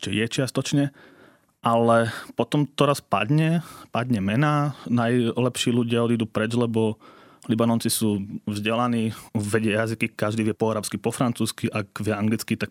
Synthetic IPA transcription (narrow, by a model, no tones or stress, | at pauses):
t͡ʃɛjɛt͡ʃɪast̪ɔt͡ʃɲɛ | ʔalɛpɔt̪ɔmt̪ɔɾaspa̰d̪ɲɛpad̪ɲɛmɛnaːnajlɛpʃiːluɟɪaɔd̪id̪uːpɾɛd͡ʒlɛbɔ | libanɔnt͡sisuːvzɟɛlaniːʋɛɟɪɛjazikikaʒd̪iːʋɪɛpɔaɾaːpskipɔfɾant͡suːskiʔaɡʋɪɛaŋɡlit͡skit̪ak